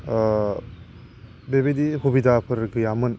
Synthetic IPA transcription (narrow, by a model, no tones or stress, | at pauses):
bebediɦubidʱapʰɯɾɡɯjamɯn